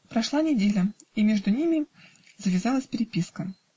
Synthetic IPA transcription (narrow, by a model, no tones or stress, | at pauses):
pɾɐʂlˠanʲɪdʲelʲəimʲeʐd̪ʊnʲimʲɪ | zəvʲɪzɑlˠəsʲpʲɾʲɪpʲiskə